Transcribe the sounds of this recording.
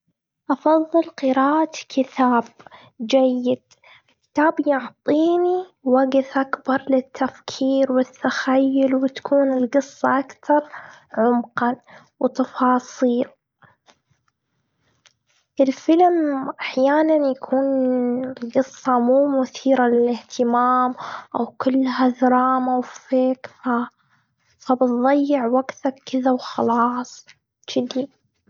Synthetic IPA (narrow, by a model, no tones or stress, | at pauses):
ʔɑfɑðˤːɨlqɨɾaːʔat̪kʰɪt̪ʰaːb | d͡ʒajːɪd̪̥̚ | kɪ̥t̪aːbjʊʕt̪ˤiːniwaɡɪθʔakbɑɾˤlɪt̪ʰːafkʰiːɾwɪt̪ːaxajːʊlwɪt̪ḁkʰuːnɪlɡɨsˤːɑʔakt̪ɑɾˤ | ʕʊmqa | wt̪ɑfɑːsˤiːl | ʔɪlfɪlmʔaħjaːnanjakʰuːnɪlɡɨsˤːɑmuːmʊθiːɾalɪlɪht̪ʰɪmaːmʔawkɪlːhaðɑɾˤɑːmawfeːkfa | fabɨt̪ðˤɑjːɪʕwaɡt̪akɪðawxɑlɑːsˤ | d͡ʒɪd̪i